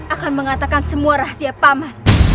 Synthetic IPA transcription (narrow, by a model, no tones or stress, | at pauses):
ʔakanməŋat̪akansəmuaɾahsiapaman